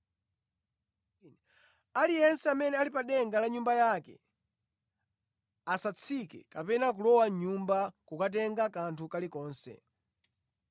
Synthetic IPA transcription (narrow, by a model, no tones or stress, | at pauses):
n | alijɛnsɛamɛnɛalipaɗɛŋɡalaɲumbajakɛ̰ | asat͡sʰikɛ̰kapɛnak̬ulɔwaɲɲumbakukat̬ɛŋɡakantʰukalikɔːnsɛ̰